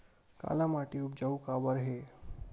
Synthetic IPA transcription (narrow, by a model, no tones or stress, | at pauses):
ka̰lamaʈiupd͡ʑaukabəɾɦe